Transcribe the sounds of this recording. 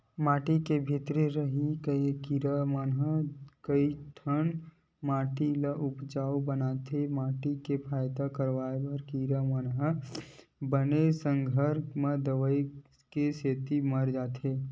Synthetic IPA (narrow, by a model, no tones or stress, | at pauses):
maːʈikebʱɪt̪ɾeɾəɦikəikiːɾamənɦəkəiʈʰən | maːʈilaʔʊpd͡ʒaːobənaːt̪ʰemaːʈikepʰaːjd̪akəɾʋaːebəɾkiːɾamənɦə | bənesə̃ŋɡʱəɾmẽd̪əʋəi | keseːt̪iməɾd͡ʒaːt̪ʰeː